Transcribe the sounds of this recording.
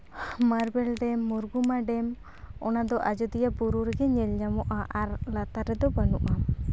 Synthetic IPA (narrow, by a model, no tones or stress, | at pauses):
maɾbɛlɖ̪ɛmːuɾɡumaɖɛm | ɔnad̪ɔʔad͡ʒɔd̪ijabuɾuɾɛɡɛɲɛlɲamɔʔaʔaɾlat̪aɾɛd̪ɔbanuʔa